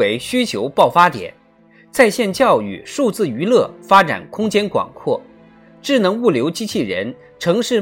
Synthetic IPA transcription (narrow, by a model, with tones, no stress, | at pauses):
e˧˥ɪɕy˥t͡ɕʰjo˧˥ʊpɑ˥˩ʊfa˥t̪jɛ̰˨˩˦n | t͡sa˥˧ɪɕjɛ˥˧nt͡ɕjɑ˥˧ʊy̰˥˩ʂu˥˧t͡sɹ̩˥˩y˧˥lɤ˥˩fa˥ʈ͡ʂa̰˨˩nkʰʊ˥ŋt͡ɕjɛ˥nkwɑ̰˨˩ŋkʰwɔ˥˩ | ʈ͡ʂɻ̩˥˩nɤ˧˥ŋu˥˩ljo˧˥ʊt͡ɕi˥t͡ɕʰi˥˩ɻə̰˧˥n | ʈ͡ʂʰɤ˧˥ŋʂɻ̩˥˧